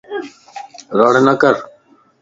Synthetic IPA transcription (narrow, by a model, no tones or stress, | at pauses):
ɾɑːɽenɐkəɾ